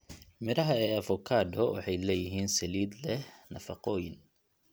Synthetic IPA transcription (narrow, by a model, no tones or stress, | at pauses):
mɪɾɐɦɐɛːɐfɔkʰaːd̪ɔwɑ̰ħɑjlɛːjɪɦiːnsɐliːd̪lɛhnɐfɑqɔːjɪn